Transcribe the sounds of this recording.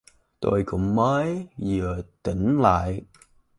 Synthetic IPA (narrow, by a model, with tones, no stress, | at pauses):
t̪o˧jkʊ̰˧˥ŋ͡mməː˨˦jzɨ˨˩ət̪i˧˩˦ŋ̟la̰ː˧˨j